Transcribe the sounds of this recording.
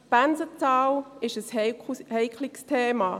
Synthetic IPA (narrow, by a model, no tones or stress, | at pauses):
b̥anzət͡saːlɪʃəsheɪkʰlɪkstʰeːma